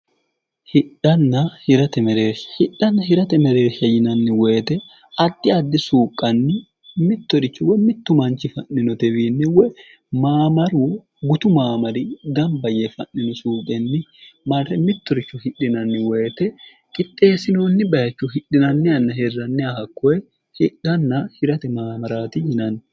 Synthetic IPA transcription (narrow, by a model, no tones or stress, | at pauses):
hɪᶑɐnːɐhɪɾɐt̪ɛmɛɾeːʃɐ̥hɪᶑɐnːɐɦɪɾɐt̪ɛmɛɾeːʃɐjɪnɐnːɪweːt̪ɛ | ɐd̪ːɪɐd̪ːɪsuːkʼːɐnːɪ | mɪt̪ːɔɾɪt͡ʃːɔwɛmɪt̪ːʊmɐnt͡ʃːɪfɐnːɪnɔt̪ɛwiːnːɪwɛ | maːmɐɾwɔ | ɡʊt̪ʊmaːmɐɾɪɡ̪ɐmbɐjɛfɐnːɪnɔsuːkʼɛnːɪmɐɛmɪt̪ːɔɾɪt͡ʃːʊhɪᶑːɪnɐnːɪweːt̪ɛ | kʼɪt̪ʼːe̞ːsɪnoːnːɪbɐjɐt͡ʃːʊɦɪᶑɪnɐnːɪɐnːɐɦɛrːɐnːɪɐhɐkːɔɛ | hɪᶑɐnːɐhɪɾɐt̪ɛmaːmɐɾaːt̪ɪjɪnɐnː